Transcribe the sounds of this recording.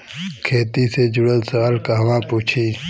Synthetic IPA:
kʰeːt̪ised͡ʒʊɽət̪sɐwaːlkaɦɐʋãːpuːt͡ʃʰiː

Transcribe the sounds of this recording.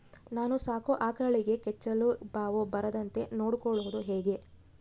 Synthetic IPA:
naːnusaːkuʔaːkɐɭiɡe̞kɛt͡ʃːɐlubaːʋubɐɾɐd̪ɐnt̪e̞noːɽukɔɭuʋud̪uɦɛːɡe̞

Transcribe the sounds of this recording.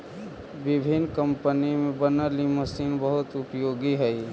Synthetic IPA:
ʋɪbʱinkəmpənimẽbənəliməsiːnbəɦʊt̪ʊpjoːɡiɦɛi

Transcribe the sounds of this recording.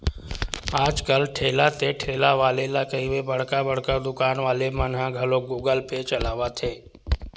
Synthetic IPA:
aːd͡ʒkəlʈʰeːlat̪eʈʰeːlaʋaːlelakəiʋebəɽ̤kabəɽ̤kad̪ʊkaːnʋaːlemãnɦãɡʱəloɡuːɡəlpet͡ʃəlaːʋat̪ʰeː

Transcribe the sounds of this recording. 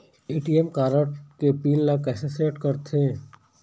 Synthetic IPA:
iːʈiːemkaːɾəʈkepiːlːɐkɛːseseːʈkɐɾt̪ʰeː

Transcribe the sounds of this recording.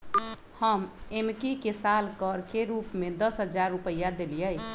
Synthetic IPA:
həmemkikesalkəɾkeɾupmed̪ʌsɦəd͡ʒaɾːupəjːad̪elijəj

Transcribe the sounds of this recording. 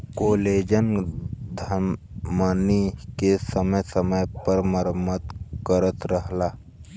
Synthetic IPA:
koːleːd͡ʒənd̪ʱə | maːnikesəməjsəməjpəɾməɾəmət̪kəɾət̪ɾəɦlaː

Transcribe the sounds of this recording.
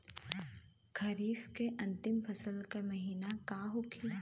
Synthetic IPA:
kʰɐɾiːfkeʔɐ̃nt̪ɪmfʰɐsəlkamɐɦiːnakaːɦokʰi

